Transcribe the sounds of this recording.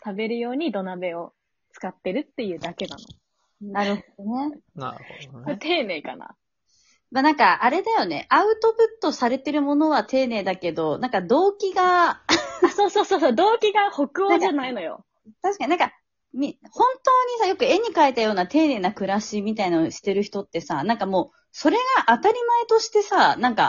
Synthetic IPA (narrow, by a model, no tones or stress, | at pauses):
t̪abe̞ɾɯ̟jo̞ːɲ̟id̪o̞nabe̞o̞ | t͡sɨ̥kat̪ːe̞ɾɯ̟t̪ːe̞jɯ̟ːd̪ake̞na̰no̞̰ | naɾɯ̟hod̪one̞nɾot̪e̞ːne̞ːka̰na̰ | manãŋkaʔaɾe̞d̪ajo̞ne̞̰ʔaɯ̟t̪o̞pɯ̟t̪ːo̞saɾe̞t̪e̞ɾɯ̟mo̞no̞βat̪ʰe̞ːne̞ːd̪ake̞d̪o̞nãŋkad̪o̞ːkʲiɡa | asoːso̞ːsoːsoːd̪o̞ːkʲiɡaho̞kɯ̟oʑanaino̞jo̞̰ | t̪aɕi̥kaɲinãŋka | mʲihõ̞nt̪o̞ːɲ̟isajo̞kɯ̟e̞ɲ̟ikaet̪ajo̞ːnat̪e̞ːne̞ːnakɯ̟ɾaɕimʲit̪ainaoɕi̥t̪e̞ɾɯ̟çi̥t̪o̞t̪ːe̞sanãŋkamo̞ː | so̞ɾe̞ɡaʔat̪aɾʲimae̞t̪o̞ɕi̥t̪e̞sanãŋka̰